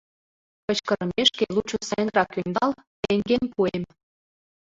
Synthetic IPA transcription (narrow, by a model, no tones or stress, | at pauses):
kə̆t͡ɕkə̆ɾəmeʃkelut͡ɕusæŋɡrɑkynd̪ɑlt̪eŋɡenpuem